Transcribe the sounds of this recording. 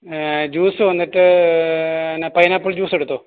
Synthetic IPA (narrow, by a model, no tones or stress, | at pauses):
d͡ʑuːsɨʋɐnːiʈːɨ | enepɐjɐnaːpːuɭd͡ʑuːseɽut̪ːo